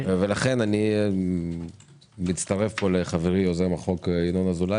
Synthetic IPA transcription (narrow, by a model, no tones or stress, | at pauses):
velaχe̞nani | mitt͡st̪aʁe̞fpo̞leχaveʁiozemaχo̞kinonazula